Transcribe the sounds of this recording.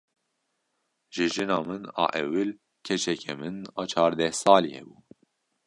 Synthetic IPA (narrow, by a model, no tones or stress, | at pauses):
ʒɨʒɨnɑːmɨnɑ̰ːʔɛwɨl | kʰɛt͡ʃʰɛkʰɛmɨnɑːt͡ʃʰɑːɾd̪ɛhsɑːliːhɛ̰buː